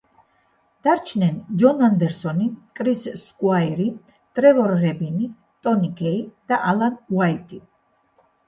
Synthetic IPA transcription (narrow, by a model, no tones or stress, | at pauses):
d̪̥aɾt͡ʃʰnɛnd͡ʒɔnand̪ɛɾsɔnikʼɾisskʼwaiɾi | t̪ʼɾɛvɔɾɣɛbini | t̪ʼɔnikʰɛid̪̥aʔalanwajt̪ʼi